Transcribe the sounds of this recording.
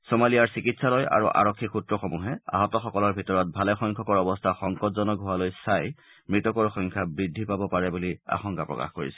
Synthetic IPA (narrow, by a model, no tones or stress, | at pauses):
somalijaɹsikitsaloja̰ɹṵʔa̰ɹɔkʰːixutɹɔxomuɦɛa̰ɦɔtɔxɔkɔlɔɹbʱitɔɹɔt̚bʱalɛxɔjŋkʰɔkɔɹɔbɔstʰaxɔŋkɔtzɔnɔɡʱuwalojsaj | mɹitɔkɔɹxɔŋkʰabɹidʱːipabɔpaɹɛbulia̰xɔŋkapɹɔ̰ka̰xkoɹḭsɛ̥